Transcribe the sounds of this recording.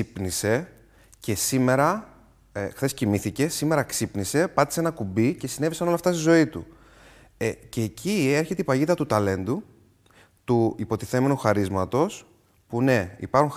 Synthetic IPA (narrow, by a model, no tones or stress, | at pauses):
ipnise̞ | ce̞sime̞ɾɐ | xθescimiθice̞sime̞ɾɐksipnise̞pɐt̪i̥senɐkubice̞sinevisɐno̞lɐft̪ɐst̪izo̞it̪ṵ | ce̞ːcʰieɾçe̞t̪eipɐʝiðɐt̪ut̪ɐle̞nd̪u | t̪uipo̞t̪iθe̞me̞nuxɐɾizmɐt̪o̞s | pune̞ḭpɐɾxu